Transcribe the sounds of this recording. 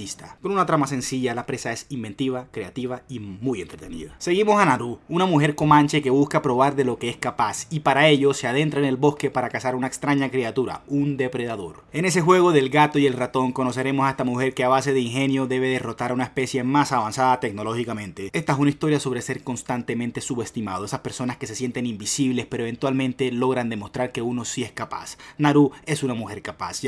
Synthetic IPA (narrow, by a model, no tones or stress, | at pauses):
ist̪ako̞nunat̪ɾamase̞nsiʝalapɾesae̞simbe̞nt̪iβ̞akɾe̞at̪iβaimujent̪ɾe̞t̪e̞nḭða̰se̞ɣimo̞sanaɾuunamuxe̞ɾko̞mant͡ʃe̞ke̞βuskapɾo̞β̞aɾðe̞lo̞ke̞eskapasipaɾae̞ʎo̞se̞að̞e̞nt̪ɾaene̞lbo̞ske̞paɾakasaɾunaekst̪ɾaɲakɾiat̪uɾa̰und̪e̞pɾe̞ðaðo̞̰ɾe̞ne̞s̬e̞xwe̞ɣo̞ðe̞lɡat̪oie̞lrat̪o̞ŋkono̞se̞ɾe̞mo̞saest̪amuxe̞ɾkeaβase̞ðeiŋxe̞njo̞ðe̞β̞e̞ðero̞t̪aɾaunaespe̞sje̞masaβansaðat̪e̞ɡno̞lo̞xikamẽ̞nt̪ee̞st̪aes̬unaist̪o̞ɾjaso̞βɾe̞se̞ɾko̞nst̪ant̪e̞mẽnt̪e̞suβe̞st̪imað̞oe̞saspe̞ɾso̞naske̞sesje̞nt̪enimbisiβle̞spe̞ɾoe̞βe̞nt̪walmẽ̞nt̪e̞lo̞ɣɾand̪e̞mo̞st̪ɾaɾke̞uno̞sie̞skapa̰snaɾue̞sunamuxe̞ɾkapa̰s